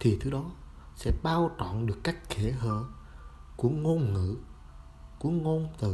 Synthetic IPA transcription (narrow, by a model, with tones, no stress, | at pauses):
t̪ʰi˨˩t̪ʰɨ˨˦ɗɔ˨˦ | sɛ̰˧˥ɓaː˧wt͡ɕɔ̰˧˨nɗɨ˨˩əkːaː˦˥k̟ki˧˩ɦəː˧˨ | ku˧˩əŋo˧nŋɨ̰˧˨ | ku˧˩əŋo˧nt̪ɨ˨˩